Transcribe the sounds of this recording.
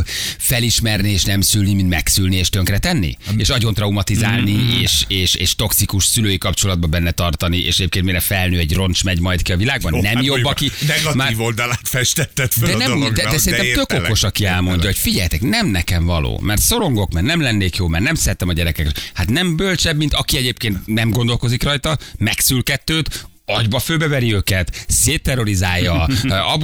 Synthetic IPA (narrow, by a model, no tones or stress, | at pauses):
fɛliʃmɛrnieːʃnɛmsylnimint̪mɛksylnieːʃt̪øŋkrɛt̪ɛnːḭeːʃɒɟo̞nt̪rɒumɒt̪izaːlnieːʃeːʃeːʃt̪o̞ksikuʃsyløːjikɒpt͡ʃo̞lɒd̪bɒbɛnːɛt̪ɒrt̪ɒniʔḛːʃɛɟeːp̚keːnt̪miɾɛfɛlnøːɛɟro̞nt͡ʃmɛɟmɒjt̪kiɒvilaːɡ̚bɒnnːɛmjobːɒkinɛɡɒmaːvold̪ɒlaːt̪fɛʃt̪ɛt̪ːɛt̪fdød̪ɛnɛmd̪ɛd̪ɛssɛɾinɛt̪økoko̞ʃɒkiɛlmo̞ɲɟːɒɦo̞cfiɟɛjt̪ɛknɛmnɛkɛɱvɒlo̰ːmɛrt̪so̞ɾo̞ŋɡo̞kmɛrnɛmlɛnːeːkjoːmɛrnɛmsɛɛt̪ːɛmɒɟɛɾɛkɛkhat̪nɛmbølt͡ʃɛbmint̪ɒkiɛɟeːpkeːnt̪nɛmɡond̪o̞lko̞zikrɒjt̪ɒmɛksylkɛt̪ːøːt̪ | ɒɟbɒføːbɛvɛɾiøːkɛt̪seːt̪ːɛrːo̞ɾizaːjːɒɒb